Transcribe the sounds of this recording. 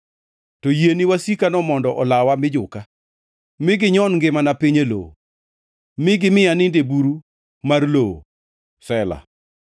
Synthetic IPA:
tɔjeniwasikanɔmɔndɔʔɔlawamɪd͡ʒʊka | mɪɡɪɲɔnŋɡɪmanapiɲelo̰o | mɪɡɪmɪanɪndebuɾu | marlo̰ | sɛla̰

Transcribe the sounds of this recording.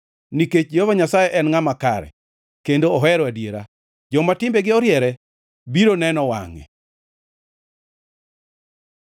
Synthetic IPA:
niket͡ʃovaɲasajɛʔɛnŋamakaɾɛ̰ | kendoːɦɛɾɔadjeɾa | d͡ʒɔmatɪmbeɡɪɔɾjɛɾɛ | biɾonɛnɔwa̰ŋɛ̰

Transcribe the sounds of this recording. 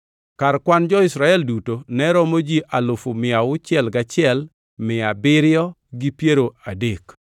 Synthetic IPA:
karkwand͡ʒɔɪsɾaɛldutonɛɾɔmod͡ʒiʔalʊfʊmɪaʊt͡ʃɪɛlɡat͡ʃɪɛl | mɪabɪɾɪɔ | ɡipjeɾoadek

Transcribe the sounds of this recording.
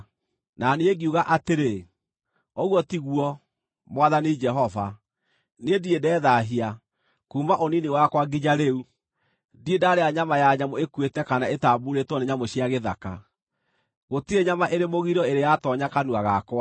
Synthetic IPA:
naneeɡiuɣaʔateɾe | oɣwɔtiɣwɔ | mwaðanid͡ʒɛɦɔva | nediedɛːðaɦia | kuːmbaʔoniniwakwaɡiɲaɾeu | diedaɾeaɲamajaɲamoekwetɛkanaetabuɾetwɔneɲamoɕiaɣeða̰ka̰ | ɣotiɾeɲamaʔeɾemoɣiɾɔeɾejatɔɲakanuaɣakwa

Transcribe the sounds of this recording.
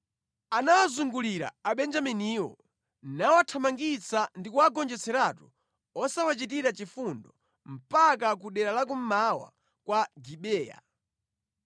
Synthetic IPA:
anawazuŋɡuliɾa̰ːɓɛnd͡ʒaminiːwɔ̰ | nawatʰamaŋɡit͡sandikuaɡɔnd͡ʒɛt͡sɛɾatu̥ | ɔsawat͡ʃit̬iɾat͡ʃifundɔ | m̩pak̬ak̬uɗɛɾalak̬um̩mawa̰ | kwaɡiɓɛːja̰

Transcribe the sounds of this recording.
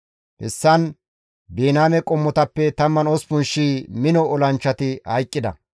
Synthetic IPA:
hɛ̰sːɐn | beːnaːmɛkʼɔmːɔt̪ɐpːɛt̪ɐmːɐnɔspʊnʃiːmɪnɔʔɔlɐnt͡ʃːɐt̪ɪhɐjkʼːɪd̪ɐ̰

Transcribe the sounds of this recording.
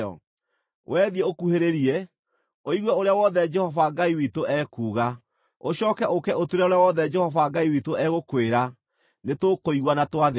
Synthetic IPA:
ɔ̰ | wʔɛðiɛokuheɾeɾiɛ | oiɣwɛoɾeawɔðɛd͡ʒɛhɔvaɡaiwitoʔɛːkuːɣa | oɕɔːkɛʔokɛotweɾaoɾeawɔðɛd͡ʒɛhɔvaɡaiwitoʔɛɣokweɾa | netokoiɣwanatwaðe

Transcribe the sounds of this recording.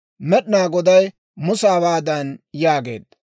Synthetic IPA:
mɛɗnaːɡɔd̪ɐj | mʊsaːbaːd̪ɐnjaːɡe̞̰ːd̪ːɐ

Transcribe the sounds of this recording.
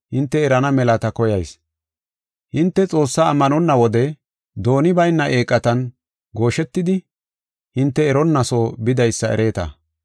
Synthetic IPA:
hɪnt̪ːɛːɾɐnɐmɛlɐt̪ɐkɔjɐjs | hɪnt̪ːɛt͡sʼo̞ːsːaːmːɐnɔnːɐwɔd̪ɛ | d̪o̞ːnɪbɐjnːɐʔe̞ːkʼːɐt̪ɐn | ɡo̞ːʃɛt̪ːɪd̪ɪ | hɪnt̪ːɛːɾɔnːɐso̞ːbɪd̪ɐjsːɐɛ̰ɾe̞ːt̪ɐ̰

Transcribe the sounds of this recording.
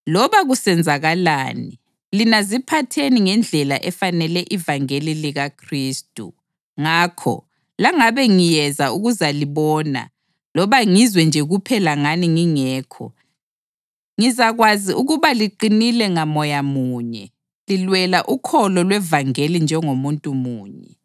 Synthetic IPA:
lɔβaɣusɛnd͡zʱaɣalaːni | linazipʰatʰeniŋɛnd͡ɮʱɛlaʔɛfanɛlɛʔivaŋeliliɣakʰriːstʼṵ | ŋaːkʰɔ̰ | laŋaβɛŋijɛzauɣuzaliβɔːna̰ | lɔβaŋizwɛnd͡ʒʱɛɣupʰɛlaŋaniŋiŋɛːkʰɔ̰ | ŋizaɣwaziʔuɣuβaliǃinilɛŋamɔjamuːɲɛ | lilwɛlaʔukʰɔlɔlwɛvaŋelind͡ʒʱɛŋomuntʼumuːɲɛ

